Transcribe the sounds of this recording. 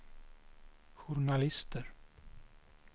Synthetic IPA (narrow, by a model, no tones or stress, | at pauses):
ɧʊɳalɪst̪ʰəɾ